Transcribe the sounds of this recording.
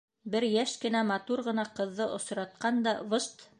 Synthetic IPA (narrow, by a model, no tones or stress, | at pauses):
bɘɾjæʃkɘ̆næmɑt̪uɾʁɤ̆nɑqɤ̆ðːɤʔŏsɾɑt̪̚qɑnd̪ɑvɤʃt̪